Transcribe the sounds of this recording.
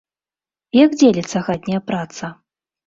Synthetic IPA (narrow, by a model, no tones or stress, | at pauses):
jaɡd͡zʲelʲit̪sːɐɣad̪ʲnʲɐjɐpɾat̪sɐ